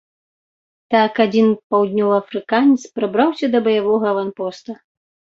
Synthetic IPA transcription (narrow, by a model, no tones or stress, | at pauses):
t̪akad͡zʲinpawd̪ʲnʲɔvɐɐfɾɨkanʲɛt̪spɾabɾawsʲɐd̪ɐbɐjavɔɣɐvanpɔst̪ɐ